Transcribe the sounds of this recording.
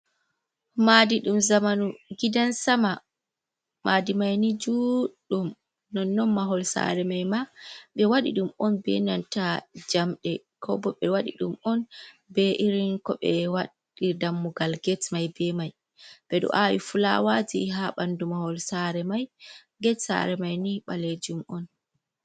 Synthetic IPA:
madiɗumzamanuɡidansama | mʔadimajnid͡ʒuɗum | nɔnːɔnmaɦɔlsa̰ɾɛmajmaɓɛwaɗḭɗumɔnbɛ̰nantad͡ʒamɗɛ | kʰɔbɔɓɛwaɗḭɗumɔn | bɛʔiɾiŋkɔɓɛwaɗ | idamːuɡalɡɛtmajbɛmaj | b̥ɛɗɔ̰ʔawḭfula̰wad͡ʒiɦaɓandumahɔlsaɾɛmaj | ɡɛtsa̰ɾɛmajniɓaled͡ʒumʔɔn

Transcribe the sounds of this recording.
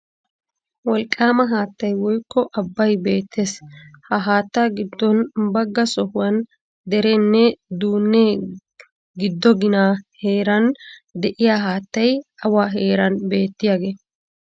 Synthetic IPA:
wɔlkʼːaːmɐɦaːt̪ːɐjwɔjkːɔʔɐbːɐjbe̞ːt̪ːeshɐɦaːt̪ːaɡɪd̪ːɔnbɐɡːɐsɔhʊwɐn | d̪ɛɾɛnːɛd̪uːnːe | ɡɪd̪ːɔɡɪnaːhe̞ːɾɐnd̪ɛʔɪjaːɦaːt̪ːɐjɐwaːɦe̞ːɾɐnbe̞ːt̪ːɪjaːɡe̞ː

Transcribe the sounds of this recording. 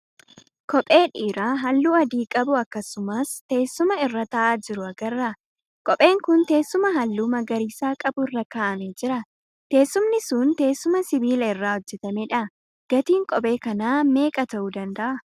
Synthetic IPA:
kɔpʼeːᶑiːɾaːɦɐlːuːɐd̪iːkʼɐbʊɐkːɐsʊmɐst̪e̞ːsːʊmɐɪrːɐt̪ɐʔaːd͡ʒɪɾʊɐɡɐrːɐ | kʼɔpʼe̞ːŋkʊnt̪e̞ːsːʊmɐɦɐlːuːmɐɡɐɾiːsaːkʼɐbʊɪrːɐkaːʔɐmed͡ʒɪɾɐ | t̪e̞ːsːʊmnɪsuːnt̪e̞ːsːʊmɐsɪbiːlɐɪrːaːɔd͡ʒːɛt̪ɐmeːᶑɐ | ɡ̥ɐt̪iːŋkʼɔpʼe̞ːkɐnaːme̞ːkʼɐt̪ɐʔuːd̪ɐnd̪ɐʔɐ

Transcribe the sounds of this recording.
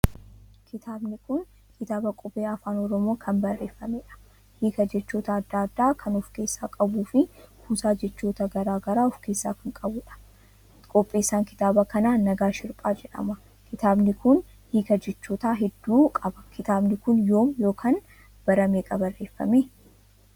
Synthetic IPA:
kɪt̪ʰaːbnɪkʊn | kʰɪt̪aːbɐkʼɔbeːɐfaːnɔɾɔmoːkʰɐnbɐrːe̞ːfːɐmeᶑɐ̥ | hiːkɐd͡ʒɛt͡ʃːoːt̪ɐːd̪ːaːd̪ːaːkʰɐnɔfke̞ːsːaːkʼɐbuːfɪhuːsaːd͡ʒɛt͡ʃːoːt̪ɐɡɐɾaːɡɐɾaːɔfke̞ːsːa̰ːkɐŋkʼɐbʊᶑɐ̥ | kʼɔpʼːiːsaːŋkɪ̥t̪aːbɐkɐnaːɐɡaːʃɪɾpʼaːd͡ʒɛᶑɐ̰mɐ | kɪt̪aːbnɪkʊn | hiːkɐd͡ʒɛt͡ʃːoːt̪aːɦɛd̪ːuːkʼɐbɐkʰɪt̪aːbnɪkʊnjo̞ːmjo̞ːkʰɐn | b̥ɐɾɐmeːkʼɐbɐrːe̞ːfːɐ̰me

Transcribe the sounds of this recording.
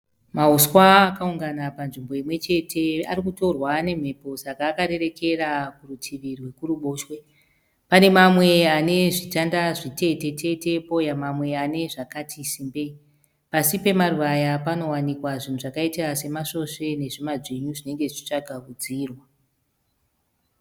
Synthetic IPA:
mausxwaːkauŋɡanapanʐimbo̞imwe̞t͡ʃe̞tʰe̞arikuto̞rwane̞m̤e̞po̞sakaːkaɾe̞ɾe̞ke̞rakurutʰiʋirwe̞kuɾuɓoːʃwe̞ | pane̞mamwe̞ane̞ʐitandaʐite̞te̞tʰe̞te̞po̞jamamwe̞ane̞ʐakatʰisiːmbe | pasipe̞maruʋajapano̞wanikwaʐin̤uʐakaitiase̞maʂo̞ʂe̞ne̞ʐimaʐiɲuʐine̞ŋɡe̞ʐi̥t͡ʃi̥t͡ʂaɡʱaʋud͡ziːrwa

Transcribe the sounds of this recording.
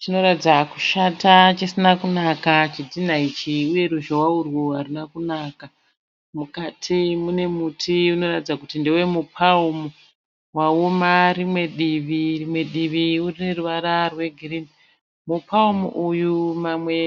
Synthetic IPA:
t͡ʃino̞ɾatid͡zaku̥ʃatat͡ʃisinakunakat͡ʃid͡zin̤ait͡ʃiuje̞ɾuʒowaurwuɦarinakunaːka | mukatʰimune̞mutʰiuno̞ratid͡zakutindewe̞mupʰaumu | waomarimwe̞ɗiʋirimwe̞ɗiʋiurine̞ruʋaɾarwe̞ɡʱirini | mupʰaumṵʔujumamwe̞

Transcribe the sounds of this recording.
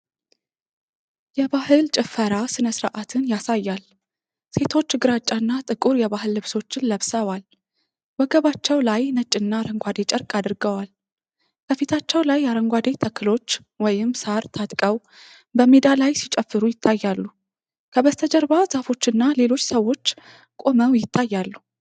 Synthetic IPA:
jɛβahɨlt͡ʃʼɪfəɾasɨnəsɾa̰ʔat̪ʰɨnjasajːal | se̞t̪ʰo̞t͡ʃːɡɨɾat͡ʃʼanːat̪ʼɨkʼuɾjɛβaɦɨlːɨβso̞t͡ʃːɪnləβsəwal | bəɡəβat͡ʃːɛwlajnət͡ʃʼːɪnːaɾəŋɡʷad̪e̞t͡ʃʼəɾkʼad̪ɨɾɡəwal | bəfit̪ʰat͡ʃːɛwlajːaɾəŋɡʷad̪e̞t̪ʰəkʰːɨlo̞t͡ʃː | wɔjɪmsaɾt̪ʰat̪ʼkʼəw | bəmed̪alajsit͡ʃʼəfːɨɾujɪt̪ʰːajːalːu | kʰəβəst̪ʰəd͡ʒəɾbazafo̞t͡ʃːɨnːale̞lo̞t͡ʃːsəwːo̞t͡ʃː | kʼo̞məwjɪt̪ʰːajːalːu

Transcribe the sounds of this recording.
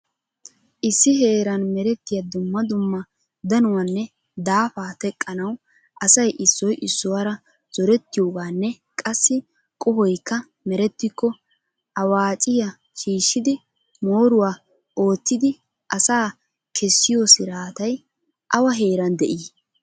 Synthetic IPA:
ʔɪsːɪɦe̞ːɾɐnmɛɾɛt̪ːɪjad̪ʊmːɐd̪ʊmːɐ | d̪ɐnʊwɐnːɛ | d̪aːfaːt̪ɛkʼːɐnɐw | ʔɐsɐjʔɪsːɔjʔɪsːʊwɐɾɐ | z̥ɔɾɛt̪ːɪjo̞ːɡaːnːɛ | kʼɐsːɪ | kʼɔhɔjkːɐ | mɛɾɛt̪ːɪkːɔ | ɐwaːt͡ʃʼɪjɐ | ʃiːʃːɪd̪ɪ | mo̞ːɾʊwaː | o̞ːt̪ːɪd̪ɪ | ʔɐsaː | kʰɛsːɪjosɪɾaːt̪ɐj | ʔɐwɐɦeːɾɐnd̪ɛʔiː

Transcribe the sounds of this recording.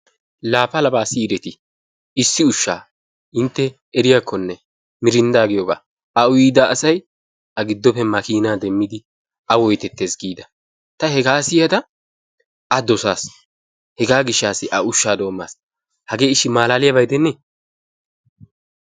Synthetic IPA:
laːfɐlɐbaːsiːɾɛt̪ɪ | ɪsːɪʊʃːa̰ː | ɪnt̪ːɛ | ɛɾɪjakːɔnːɛ | mɪɾɪnd̪aːɡɪjɔɡa̰ː | ɐʊjiːd̪ɐːsɐj | ɐɡɪd̪ːɔpɛmɐkiːnaːd̪ɛmːɪd̪ɪ | ɐwɔjt̪ɛt̪ːe̞ːsɡiːd̪ɐ | t̪ɐhɛɡaːsɪjɐd̪ɐ | ɐd̪ɔsaːs | hɛɡaːɡɪʃːaːsːɪʔɐʊʃːaːd̪o̞ːmːa̰ːs | hɐɡe̞ːɪʃːɪmaːlaːlɪjɐbɐjd̪ɛnːɛ

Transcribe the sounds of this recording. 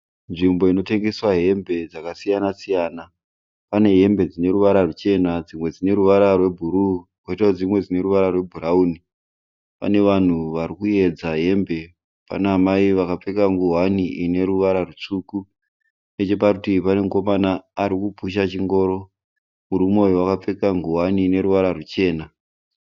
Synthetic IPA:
nʐimbo̞ino̞te̞ŋɡe̞swaɦe̞mbe̞d͡zakasijanasijaːna | pane̞ɦe̞mbe̞d͡zine̞ɾuʋaɾarut͡ʃe̞nad͡zimwe̞d͡zine̞ɾuʋaɾarwe̞bʱuɾukwoitaud͡zimwe̞d͡zine̞ɾuʋaɾarwe̞bʱuɾauni | pa̰ne̞ʋan̤uʋaɾikuje̞d͡zaɦe̞mbe̞ | pa̰naːmaiʋakap͡fe̞kaŋɡuɦwaniine̞ɾuʋaɾarut͡ʂuːku | ne̞t͡ʃe̞pakutipane̞ŋko̞manaːɾikupuʃ̬at͡ʃiŋɡo̞ːɾo̞ | muɾumojowakap͡fe̞kaŋɡuɦwaniːne̞ɾuʋaɾarut͡ʃe̞ːna

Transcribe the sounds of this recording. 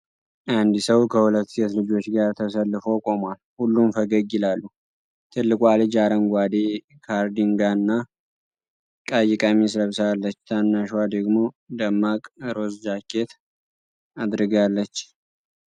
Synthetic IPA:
ʔand̪isəwkʰəhulət̪ːset̪lɨd͡ʒo̞t͡ʃːɡaɾt̪ʰəsəlːɨfo̞kʼo̞malhulːumfəɡəɡɪlalːu | t̪ʰɨlːɨkʼwalɨd͡ʒaɾənɡʷad̪e | kʰaɾd̪iŋɡanːa | kʼajɪkʼamisɾəβsalːət͡ʃːt̪ʰanːaʃwad̪əɡmo̞ | d̪əmːakʼɾo̞sd͡ʒakʰːe̞t̪ | ad̪ɾɨɡalːət͡ʃː

